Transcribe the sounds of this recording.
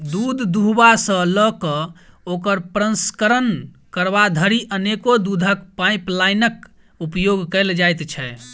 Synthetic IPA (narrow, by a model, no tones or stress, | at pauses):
d̪ud̪ʱd̪uɦbasə̃ləkə | okəɾpɾə̃nskəɾən | kəɾβad̪ʱəɾiʔənekod̪ud̪ʱəkpajplajnək | upjoɡkəjld͡ʒajt̪t͡ʃʰɛ